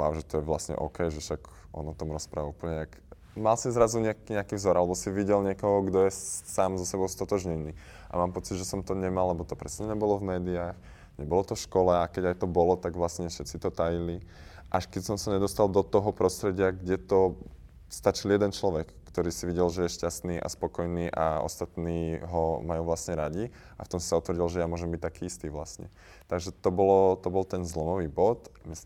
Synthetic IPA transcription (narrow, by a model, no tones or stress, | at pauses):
a̰ʊʒɛt̪ɔjɛʋlasɲɛ̰ʔɔkɛjʒɛʃaɡʔɔnɔt̪ɔmɾɔspɾaʋaupl̩ɲɛak | malsizɾazuɲakɲɛakivzɔɾalɛbɔsiʋiɟɛlɲɪɛkɔɦɔɡd̪ɔjɛsaːmzɔsɛbɔʊst̪ɔt̪ɔʒɲɛniː | ʔa̰maːmpɔt͡sid̪ʒɛsɔmt̪ɔɲɛmallɛbɔt̪ɔpɾɛsɲɛɲɛbɔlɔvmɛːd̪iaːx | ɲɛbɔlɔt̪ɔfʃkɔlɛakɛɟajt̪ɔbɔlɔt̪aɡʋlasɲɛfʃɛt̪t͡sit̪ɔt̪ajiliʔaʃkɛcsɔmsaɲɛd̪ɔst̪ald̪ɔt̪ɔɦɔpɾɔst̪ɾɛɟɪaɡɟɛt̪ɔ | st̪at͡ʃiljɛd̪ɛnt͡ʃlɔʋɛkːt̪ɔɾiːsiʋiɟɛlʒɛjɛʃcast̪niːʔa̰spɔkɔjniːʔa̰ɔ̰st̪at̪niːɦɔmajuːʋlasɲɛɾaɟi | a̰ft̪ɔmsi̥saɔt̪ʋɾɟilʒɛjamʊɔʒɛmbic̚t̪akiːist̪iːʋlasɲɛ̰ | t̪aɡʒɛt̪ɔbɔlɔt̪ɔbɔlt̪ɛnzlɔmɔʋiːbɔt̪mis